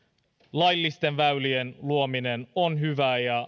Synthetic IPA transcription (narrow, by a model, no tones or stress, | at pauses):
lɑjlːist̪e̞nʋæylienluominenonɦyʋæːjɑ